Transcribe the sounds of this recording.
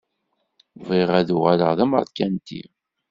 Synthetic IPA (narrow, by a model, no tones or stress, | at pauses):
viʁæðuʁæləʁðæmə̰ɾd̪kːænt̪ḭ